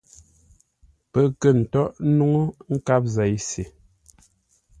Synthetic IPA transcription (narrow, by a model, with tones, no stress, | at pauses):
pə˦˨kə˦˨n̩˨tɔ˦ʔnu˦ŋo˦ŋ̩˦ka˦p̚za˨jse˨